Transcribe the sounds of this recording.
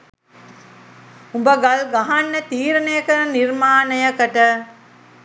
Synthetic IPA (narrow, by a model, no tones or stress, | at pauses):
ubəɡalɡaɦanːət̪iːɾənəjəkənirmaːnəjəkəʈə